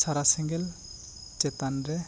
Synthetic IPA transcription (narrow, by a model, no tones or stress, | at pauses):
saɾasɛŋɡɛl | t͡ʃɛt̪anɾɛ